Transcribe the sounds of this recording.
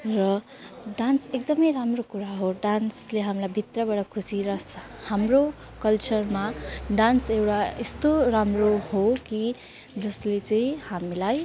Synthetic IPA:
rʌ | ɖansek̚d̪ʌmʌjɾamrokuɾaɦoɖansleɦamlajbʱit̪rʌbaɽʌkʰusiɾʌs | hamro | kʌlt͡ʃʌrmaɖansewʈaest̪oɾamrohoki | d͡zʌslet͡sʌĩhamilaj

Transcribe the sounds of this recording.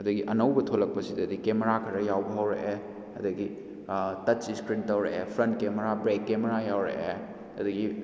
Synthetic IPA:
ɐdɐɡiʔɐnɐwbɐtʰolɐk̚pɐsidɐdikemeɾakʰɐɾɐjawbɐɦɐwɾḛʔe | ɐdɐɡi | tɐtt͡ʃiskɾintɐwɾeʔepʰɾɐntkemeɾabɾekːemeɾajawɾḛʔe | ɐdɐɡi

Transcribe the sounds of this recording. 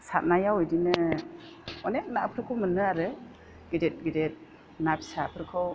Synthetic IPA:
sat̚najawɔjdinɯ | ɔnek̚napʰɯɾkʰɯwmɯnɯaɾɯ | ɡ̥idet̚ɡidet̚ | napisapʰɯɾkʰɯw

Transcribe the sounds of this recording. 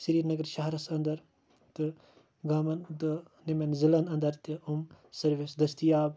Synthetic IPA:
səɾiːɾnɐɡɐɾʃɐɦɾɐsɐnd̪ɐɾ | t̪ɨ | ɡaːmɐnd̪ɨ | nimɐnzilɐnɐnd̪ɐɾt̪iumsɐɾʋesd̪ɐst̪ijaːb

